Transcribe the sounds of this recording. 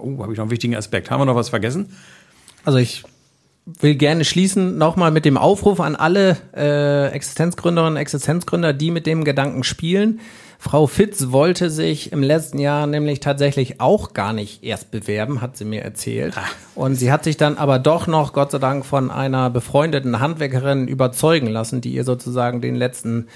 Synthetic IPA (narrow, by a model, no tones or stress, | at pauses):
ʔoːhaːbɪçnɔχn̩vɪçtɪɡŋ̩a̰spɛk̚tʰha̰ːbmviːənɔχvasfɛɐɡɛsn̩ | ʔalzoɪç | v̥ɪlɡɛɐnəʃliːsn̩nɔχmaːlmɪt̚d̥eːmʔa̰ʊfʁuːfa̰nʔa̰ləʔɛːʔɛ̰ksɪ̥stʰɛnt͡sɡ̥ʁʏndəʁɪnʊntɛksɪstʰɛnt͡sɡ̥ʁʏndɐdiːmɪt̚d̥eːmɡədaŋkŋ̩ʃpiːlən | fʁ̥aʊfɪtsvɔltʰəzɪçɪmlɛt͡stn̩jaːɐnɛːmlɪçtʰaːtz̥ɛçlɪçʔaʊxɡ̥a̰ːɐnɪçtʔeːɐst̚b̥əvɛɐbm̩ɦatz̥iːmiːɐʔɛ̰ɐt͡sɛ̰ːlt | ʔʊntz̥iːɦatz̥ɪçd̥anʔaːbɐdɔχnɔχɡ̥ɔtt͡saɪdaŋkfɔnʔa̰ɪnɐbəfʁ̥ɔʏndətn̩ɦantv̥ɛɐkəʁ̞ɪnʔy̰ːbɐt͡sɔʏɡŋ̩lasn̩dḭːʔiːɐzoːt͡suzaːɡŋ̩dḛːnlɛt͡stn̩